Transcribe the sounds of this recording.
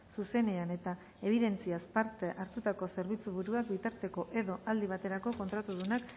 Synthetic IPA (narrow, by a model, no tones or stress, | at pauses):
suse̞ne̞ane̞t̪a | e̞β̞iðe̞nt͡siaspaɾt̪eʔaɾt̪ut̪ako̞se̞ɾβ̞it͡suβuɾuakbit̪aɾt̪e̞ko̞ʔe̞ðo̞ʔald̪iβ̞at̪e̞ɾako̞ko̞nt̪ɾat̪uðunak